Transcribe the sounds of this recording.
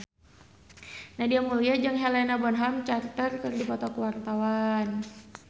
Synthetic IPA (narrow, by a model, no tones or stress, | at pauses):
nahdiamuliad͡ʒaŋɦelɛnabɔnɦamt͡ʃart̪ərkərdipɔt̪ɔkuwart̪awan